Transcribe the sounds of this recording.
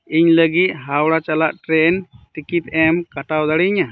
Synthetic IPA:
iɲləɡit̪̚ˀɦawɽat͡ʃalaʔʈɾɛnʈikit̪̚ɛmkaʈawd̪aɽiɲa

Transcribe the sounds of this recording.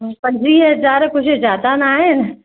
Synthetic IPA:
pɐ̃ɲd͡ʒɾiːɐzaːɾkʊd͡ʒʰɪd͡ʒaːt̪anaːɦɪn

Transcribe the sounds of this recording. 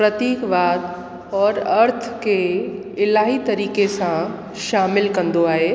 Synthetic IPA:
pɾɐt̪iːkʋaːd̪ | ɔːɾɐɾt̪ʰke | ɪlaːɦit̪ɐɾiːkesã | ʃaːmɪlkɐ̃nd̪oaːɦeː

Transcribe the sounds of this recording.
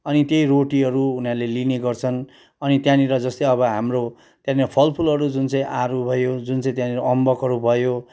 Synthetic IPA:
ʌnit̪jejɾoʈiɦʌɾuunjalelineɡʌrt͡sʰʌn | ʌnit̪jãniɾʌd͡zʌst̪eʌβʌɦamro | t̪jãniɾʌpʰʌlpʰulʌɾud͡zunt͡sʌĩʔaɾubʱʌjod͡zunt͡sʌĩt̪̬jãniɾʌʌmbʌkɦʌɾubʱʌjo

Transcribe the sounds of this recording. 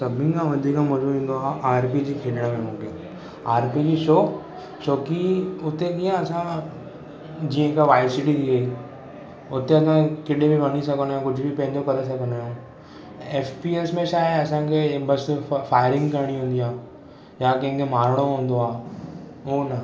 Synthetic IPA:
sɐbʱĩkãʋɐd̪ʱiːkãmɐd͡ʒoɦĩːnd̪oaːʔaːɾpid͡ʑikʰeːɗɽ̃amẽmũːkẽ | aːɾpid͡ʑiʃoː | ʃoːkiʊt̪ekijãɐsã | d͡ʑiːə̃kaʋaːɪsɪʈid̪iɐi | ʊt̪eɐsãkɪɗebʱibɐñis̬ɐɡənojãkʊd͡ʑʱbʱipɐ̃ɦɪ̃ɲd͡ʑokɐɾes̬ɐɡʱənojõː | eːfpieːsmẽʃaːjəɐsãkʰebɐsfaːjəɾɪ̃ŋɡkɐɾɽ̃iɦũːnd̪ijãː | jakɐ̃ɦɪ̃kʰemaːɾɽ̃oɦũːnd̪oaː | oːnɐ

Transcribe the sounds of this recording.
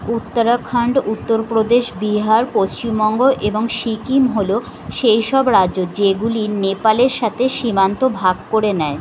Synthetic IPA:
ut̪ːaɾakʰːaɳɖut̪ːoɾpɾod̪eʃbiɦaɾpost͡ɕimbɔŋɡoʔeboŋʃikimɦolo | ʃejʃɔbɾaʑod͡ʑeɡulinepaleɾʃat̪ʰeʃimant̪obʱaɡ̚koɾenɛe

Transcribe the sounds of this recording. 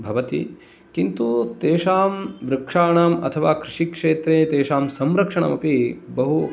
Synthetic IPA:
bʱɐʋɐt̪ḭ | kint̪ut̪eːʃaːmʋɾɐkʂaːɳɐmɐ̰t̪ʰɐʋaːkɾɪʂikʂeːt̪ɾeːt̪eːʃaːmsɐmɾɐkʂɐɳɐ̰mɐpibɐɦu

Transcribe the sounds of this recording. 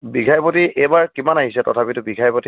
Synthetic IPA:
biɡʱajpɔtiʔejbaɹkimanaɦisɛtɔtʰapitʊbiɡʱajpɔti

